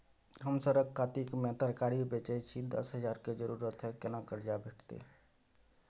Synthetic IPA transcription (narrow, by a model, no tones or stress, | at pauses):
ɦəmsəɾəɡkʰːaːt̪ikmẽt̪əɾkaːɾibeːt͡ʃet͡ʃʰid̪ə̰sɦəd͡ʒaːɾked͡ʒəɾuːɾət̪ɦɛkɪnakəɾd͡ʒabʱeːʈʰt̪ḛ